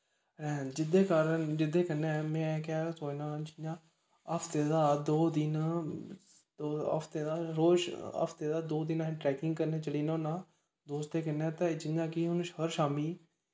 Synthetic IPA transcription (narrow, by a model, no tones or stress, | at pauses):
ɛːd͡ʒɪd̪eːkaːɾənd͡ʒɪd̪eːkənːemɛ̃ːkaːsoːnãːd͡ʒɪjãː | əpʰt̪eːd̪aːd̪oːd̪ɪna | d̪oːə̰pʰt̪eːd̪aːɾoːʃə̰pʰt̪eːd̪aːd̪oːd̪ɪnãːʈɾɛːkɪ̃ŋɡ̚kəɾneːt͡ʃəliːnõːnaː | d̪oːst̪eːkənɛ̃ːt̪ad͡ʒɪãːkiɦʊnʃhəɾʃaːmiː